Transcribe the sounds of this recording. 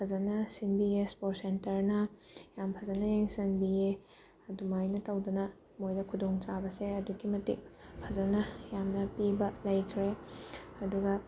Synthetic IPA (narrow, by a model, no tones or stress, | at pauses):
pʰɐzɐnɐsinbiespoɾsentɐɾnɐjampʰɐzɐnɐjeŋsinbie | ɐdumajnɐtɐwdunɐ | mojdɐkʰudoŋt͡ʃabɐseɐduɡimɐtḭk̚pʰɐzɐnɐjamnɐpibɐlɐjkʰɾeɐduɡɐ